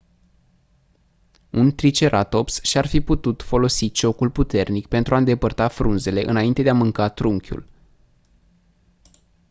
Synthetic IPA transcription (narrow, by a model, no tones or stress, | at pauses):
unt̪ɾit͡ʃe̞ɾʔat̪o̞psʃiarfiput̪ut̪fo̞lo̞sit͡ʃo̞kulput̪e̞rnikpe̞nt̪ɾuaɨnd̪e̞pərt̪afɾunze̞le̞ʔɨnaint̪e̞d̪eamɨŋkat̪ɾuŋkʲṵl